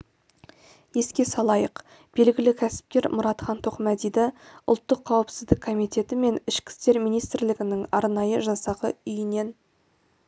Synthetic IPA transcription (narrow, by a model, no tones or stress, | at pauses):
je̞skʲe̞sɑlˠɑjəq | b̥e̞lɡʲɪlɪkʲʰæsɪ̥p̚kʲe̞ɾmʊɾɑt̪χɑnt̪ʰo̞qmæd̪ijd̪ɪʊ̰lˠt̪ːəqʰːɑwəpsɪzd̪ɪkʰːo̞mijt̪e̞t̪ɪme̞nɪʃkʲɪ̥st̪e̞ɾmijnijst̪ɾlɪɡʲɪnɪŋɑ̰ɾnɑjəʒɑsɑʁə̰ʏjɪne̞n